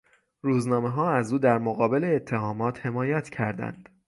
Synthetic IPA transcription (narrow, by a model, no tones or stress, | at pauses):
ɾuːznɒːme̞ɦɒːæzuːd̪æɾmoɣɒːbeleːt̪ʰːe̞hɒːmɒːt̪he̞mɒːjæt̪ʰcʰæɾd̪æ̰nd̪̥